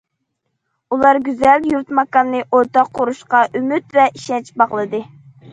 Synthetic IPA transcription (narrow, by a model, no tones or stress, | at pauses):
ulˠɑɾɡʲyzɛljuɾt̪mɑkɑnːɨʔoɾt̪ɑqʰːoɾuʃqɑʔymyt̪vɛʔiʃɛnt͡ʃbɑʁlˠɨd̪ɨ